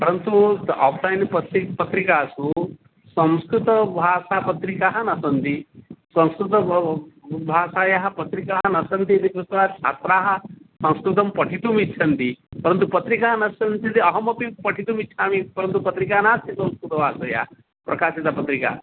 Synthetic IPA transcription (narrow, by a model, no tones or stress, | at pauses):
pɐɾɐnt̪uaːpʰlajnpɐsipɐt̪ɾikaːsu | sɐ̃mskɾut̪ɐbʱaːsapɐt̪ɾikaːɦɐnɐsɐnt̪isɐ̃nskɾut̪ɐ | bʱaːʃaːjaɦɐpɐt̪ɾikaːɦɐnɐsɐnt̪id̪ikusʋaːt͡ʃʰa̰ːt̪ɾaːɦɐ̆sɐ̃ñskɾut̪ɐmpɐʈʰit̪umit͡ʃʰɐnt̪ipɐɾɐnt̪̬upɐt̪ɾikaːɦɐnɐsɐnt̪it̪iɐɦɐmɐpipɐʈʰit̪umiːt͡ʃʰaːmipɐɾɐnt̪upɐt̪ɾikaːnaːst̪ʰisɐ̃mskɾut̪ɐbʱaːsɐja̰ː | pɾʔɐkaːsit̪apɐt̪ɾika̰ː